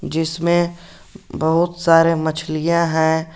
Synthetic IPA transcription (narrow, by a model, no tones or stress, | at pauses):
d͡ʒɪsmẽ | bɐɦʊt̪saːɾemɐt͡ʃʰlijãɦɛ̃ː